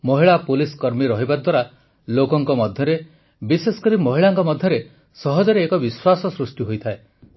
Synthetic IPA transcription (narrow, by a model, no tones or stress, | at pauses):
mɔɦiɭapuliskɔɾmiɾɔɦibaɾd̪waɾa | lokɔŋkɔmɔd̪ʱjɔɾe | bisesɔ̥kɔɾimɔɦiɭaŋkɔmɔd̪ʱjɔɾe | sɔɦɔd͡ʒɔɾeːkɔbiswasɔsɾusʈiɦojt̪ʰae